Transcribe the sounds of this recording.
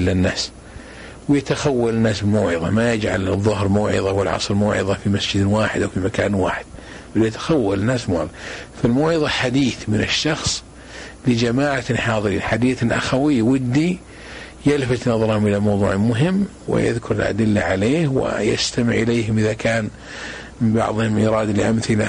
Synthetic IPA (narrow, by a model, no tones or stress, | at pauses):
lanːaːs | wjɪt̪axawːalɪnːaːsbɪlmaːʕɨðˤɑ̰majad͡ʒʕa̰lɨðˤːʊɦɾmaːʕɪ̰ðˤɑwɪlʕɑ̰sˤɾmaːʕɪ̰ðˤɑfimasd͡ʒɪd̪waːħɪd̪ʔawfimakaːnwa̰ːħɪd̪̥̚ | balːjɪt̪ḁxawːalɪnːaːsbmoʕɪðˤfalmaːʕɪðˤɑħad̪iːθmɪnɪ̰ʃːɑxsˤ | lɪd͡ʒamaːʕaħɑːðˤɨɾḭːnħad̪iːθɪlʔa̰xawɪjːwɪd̪ːi | jalfat̪nɑðˤɑɾˤhʊmʔɪlamɑwðˤṵːʕmʊɦɪmː | wɪ̰ja̰ðkʰʊɾɪlʔa̰d̪ɪlːaʕaleːhwɪ̰ja̰st̪amɪʕʔɪleːɦɪmʔɪðakaːn | mɪnbɑ̰ʕðˤhʊmʔiɾˤɑːd̪alʔamθɪla